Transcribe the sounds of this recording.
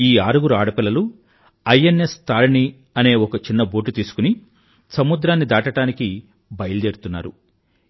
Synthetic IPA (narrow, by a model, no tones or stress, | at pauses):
iːaːɾuɡuɾuaːɽɐpilːɐlu | ɐjene̞st̪aːɾni | ɐne̞ːɔkɐt͡ʃinːɐbo̞ːʈit̪iːsu̥kuni | sɐmud̪ɾaːnːid̪aːʈɐʈaːniki | bɐjɐld̪eːɾt̪unːa̰ːɾṵ